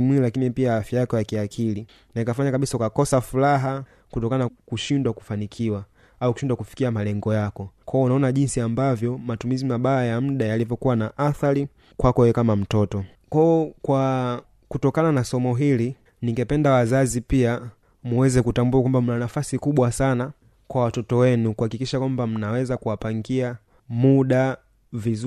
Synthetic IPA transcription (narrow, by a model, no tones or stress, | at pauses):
mwilakinipiaafjajakɔjakiakʰili | nanikafaɲakaɓisaukakɔsafulaɦa | kutɔkanaakuʃindwaku̥fanikʰiwa | aukuʃindwakufi̥kiamalɛŋɡɔjakɔkʰɔɔunaɔnaʄinsiambavjɔmatumizimaɓaajam̩ɗajalivjɔkuwanaʔaθali | kwakɔwɛkamam̩tɔtɔ | kɔɔkwa | kutɔkananasɔmɔɦili | niŋɡɛpɛndawazazipia | muwɛzɛkutambuakwambam̩nanafasikuɓwasana | kwawatɔtɔwɛnukuhakikiʃakwambam̩nawɛzakuwapaŋɡia | muɗa | viz